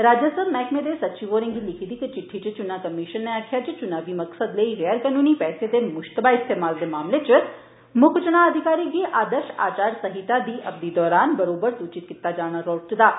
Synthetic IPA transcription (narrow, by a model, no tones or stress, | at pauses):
ɾaːd͡ʒəsəbmɛːkmẽːd̪esətːt͡ʃiʋoːɾɪ̃ŋɡilɪkʰiːd̪iːkɪt͡ʃɪʈʰːit͡ʃt͡ʃʊnaːkəmɪʃənːeaːkʰɪjaːt͡ʃɪt͡ʃʊnaːʋiməksəd̪ləiːɣɛːəɾkənuːniːpɛːsed̪eːmʊʃt̪əbaːɪst̪eːmaːld̪eːmaːmlet͡ʃ | mʊkʰt͡ʃʊɽ̃aəd̪ʱɪkaːɾiːɡiːʔaːd̪əɾʃa̰ːt͡ʃaːɾsəɦɪt̪aːd̪iːʔɐb̚d̪iːd̪ɔːɾaːnbəɾoːbəɾsuːt͡ʃɪt̪̚kɪt̪aːd͡ʒaːɽ̃aɾoːʈd̪aː